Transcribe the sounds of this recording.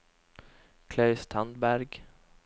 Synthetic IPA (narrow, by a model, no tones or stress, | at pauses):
kʰlɑʉst̪ʰɑnd̪bæɾɡ